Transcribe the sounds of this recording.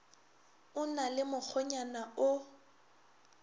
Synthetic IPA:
ʊnalɪmʊk͡xʰɔɲanaʊ

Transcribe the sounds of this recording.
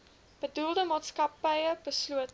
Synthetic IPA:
b̥ədulˠdəmɑːtskɐpəjəbəsluət

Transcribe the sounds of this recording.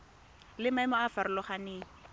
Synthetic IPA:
lɪmaɪmɔafaɾʊlɔχaneːŋ̩

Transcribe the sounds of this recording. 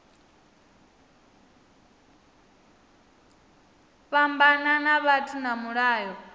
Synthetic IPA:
ɸambananaβatʰʼinamuɺaːjɔ

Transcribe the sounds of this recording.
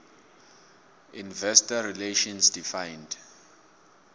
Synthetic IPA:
ĩnvɛstaɹileʃɔ̃nsdifãjnd

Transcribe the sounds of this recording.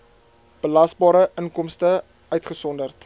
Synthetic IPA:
b̥əlɐsbɑːɾəʔəŋkɔmstə | œɥtχəsɔndərt

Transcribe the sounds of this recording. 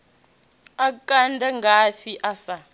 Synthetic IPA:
akʼandʱaŋɡaɸiʔasa

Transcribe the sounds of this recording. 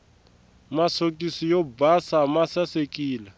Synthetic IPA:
masokʼisijobasamasasekʼiːla

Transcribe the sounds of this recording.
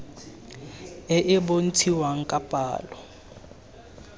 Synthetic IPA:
ɛʔɪbon̩tʰiwaŋ̩kʼapʼa̰ːlɔ

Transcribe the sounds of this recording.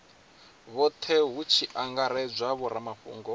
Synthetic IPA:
βɔt̪ʰɛɦut͡ʃʰiʔaŋɡaɾɛd͡zʷaβɔɾamaɸṵːŋɡɔ

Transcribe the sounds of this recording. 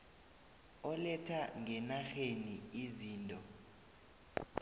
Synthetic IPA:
ɔlɛtʰaŋʱɛnaxeniiziːntʼɔ

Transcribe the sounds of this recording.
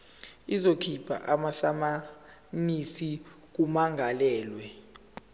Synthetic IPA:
izokʰibʰʱa̰ʔamaɬama | nisi | k̬umaŋɡʱalɛːlwɛ

